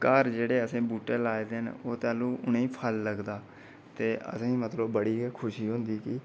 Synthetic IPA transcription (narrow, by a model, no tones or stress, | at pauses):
kəɾd͡ʒeːɽeːəsẽːbuːʈeːlaːed̪enoːt̪ɛːlũːʔʊneĩːpʰəlːəɡd̪aː | t̪eːʔə̰sẽːmət̪ləbːəɽiːkʰʊʃiːɦõːnd̪iːkɪ